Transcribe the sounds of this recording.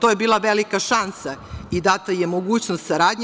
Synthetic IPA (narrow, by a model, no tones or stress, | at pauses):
t̪ojebiːlˠaʋelikaʃansaid̪at̪ajemoɡuːt͡ɕnost̪saɾaːd̪ɲ